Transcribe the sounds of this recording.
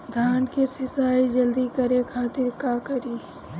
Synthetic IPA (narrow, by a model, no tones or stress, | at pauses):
d̪ʱaːnkesɪsaːid͡ʒɐld̪ikɐɾekʰaːt̪ɪɾkakəɾiː